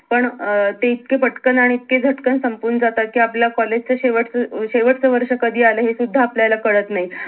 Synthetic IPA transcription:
pəɳt̪eit̪̚kepəʈkənaɽ̃iːt̪̚ked͡zʱəʈkənsəmpuːnəd͡zat̪akiːapljakɔled͡ʑt͡səɕeʋəʈʰt͡səɕeʋəʈʰt͡səʋəɾʂəkəd̪ʱiːaləɦesud̪ʱːaːpljalakəɭət̪naɦi

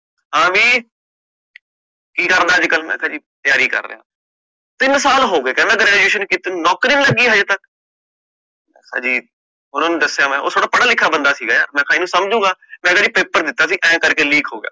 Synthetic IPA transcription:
hãːʋiː | kiːkəɾd̪aːd͡ʒkəlmɛ̰̃ːkʰãːd͡ʒiːt̪jaːɾiːkə̰ɾːə̰ɦã̰ː | t̪ɪnsaːlɦoːɡeːkɛ̃ːnd̪aːɡəɾːaːd͡ʒeːʃənkɪt̪ːnɔːkɾiːnləɡiːɦəd͡ʒt̪ək | mɛ̃ːsa̰ːd͡ʒiː | ɦʊnãːnũd̪əsːaːmɛ̃ːo̰ːt̪ʰoːɽaːpəɽaːlɪkʰːaːbənd̪aːsiːɡaːja̰ːmɛ̃ːkʰaːiːnũːsəmd͡ʒũːɡaːmɛ̃ːkaːd͡ʒiːpeːpəɾd̪ɪt̪ːaːs̬iːʔɛ̃ːkəɾkeːliːkʰɦoːɡɪja̰ː

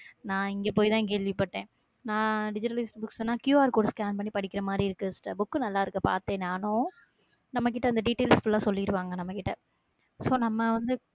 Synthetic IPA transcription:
nãːɪŋɡeːpoːjt̪ãːk̬eːɭʋipːɐʈːẽː | nãːɖɪd͡ʒɪʈːɐlɐɪsʈbʊksnːãːkjuːaːɾkoːɽskaːnpɐɳːipɐɽɪkːɪɾɐmaːd̪ɾiɪɾɯkːɯsʈːɐbʊkːɯnɐlːaːɪɾɯkːɐpa̰ːɾt̪ẽːnaːnʊ̃ | nɐmːɐk̬ɪʈːɐɪnd̪ɐɖiːʈːeːlsfʊlːãːsɔlːiɪɾɯʋaːŋɡɐnɐmːɐkɪʈːɐ | soːnɐmːɐʋɐnd̪ɯ

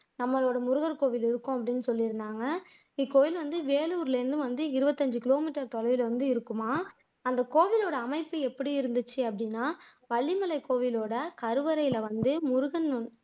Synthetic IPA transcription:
nɐmːɐloːɽɐmʊɾʊɣɐɾkoːʋɪlɪɾɯkːõːɐpːɐɽɪnːɯsɔlːɪɾɯnd̪aːŋɡɐ | ikːoːʋɪlʋɐnd̪ɯʋeːluːɾɪlɐɾɯnd̪ɯ̃ʋɐnd̪ɯɪɾɯbɐt̪ːɐɲd͡ʒɯkɪloːmiːʈːɐɾt̪ɔlɐʋɪlʋɐnd̪ɯɪɾɯkːɯmaː | ɐnd̪ɐkoːʋɪloːɽɐːmɐɪpːɯɛpːɐɽiɪɾɯnd̪ɯt͡ʃːɯɐpːɐɽɪnːaː | ʋɐɭːɪmɐlɐɪkːoːʋɪloːɽɐkɐɾɯʋɐɾɐɪɪlɐʋɐnd̪ɯmʊɾʊɣɐnːʊɳ

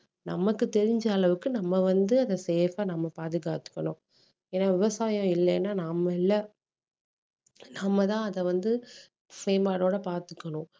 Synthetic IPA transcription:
nɐmːɐkːɯt̪ɛɾɪɲd͡ʒɐːɭɐʋɯkːɯnɐmːɐʋɐnd̪ɯɐðɐseːfaːnɐmːɐpaːðɪɣaːt̪ɯ̥kːɐɳʊ̃ | eːnːaːʋɪʋɐsaːjɐ̃ɪlːɛnːaːnamɐɪlːɐ | nɐmːɐt̪ãːɐðɛʋɐnd̪ɯ | feːmbaːɽoːɽɐpaːɾt̪ɯ̥kːɐɳʊ̃

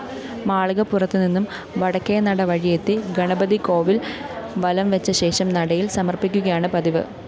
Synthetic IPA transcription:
maːɭɣɐpːurɐt̪ːɨninːum | ʋɐɽɐkːejɐnɐɽɐʋɐɻijet̪ːiɡɐɳɐbɐðiko̞ːʋilʋɐlɐmʋet͡ɕːɐɕe̞ːʂɐmnɐɽɐjilsɐmɐrpikʲːuɣɐjaːɳɨpɐðiʋɨ̰

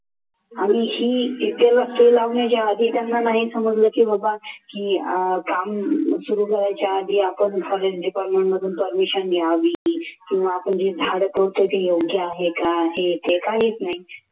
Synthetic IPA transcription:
amihiːt̪alast̪elaʋɳjat͡ɕjaːd̪ʱiːt̪janːanaɦisəməd͡zləːkiːbabakiːkamsuɾuːkəɾajt͡ɕjaːd̪ʱiːapəɳfʰɔɾesɖipaɾʈmẽɳʈməd̪ʱuːnpəɾmiɕənɡʱeaʋiːkĩw̃ʋaːpəɳd͡ʑiːd̪ʱaɽəpəɾt̪ək̪ijoɡʱjaːɦekaɦet̪ekaɦiːt͡snaɦi

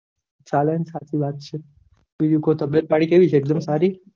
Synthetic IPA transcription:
t͡ʃalanisat̪ʰiʋaːt̪̚t͡ʃʰe | ʋid̪ijukot̪əbjət̪̚paɽikeʋit͡ʃʰeeːk̚d̪əmsaɾi

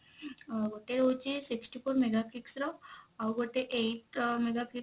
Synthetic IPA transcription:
ɡoʈeɾot͡ʃisiksʈipʰoɾmeɡakliksɾoawɡoʈeʔejʈmeɡakli

